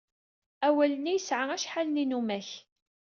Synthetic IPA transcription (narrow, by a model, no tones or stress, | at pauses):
æwælənijəsʕaæʃħalninumæç